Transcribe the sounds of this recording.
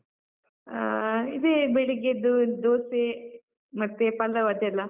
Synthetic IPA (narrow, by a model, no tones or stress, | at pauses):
id̪ebeɭiɡed̪ud̪oːse | mɐt̪ːepɐlɐʋɐd̪ɛlːɐ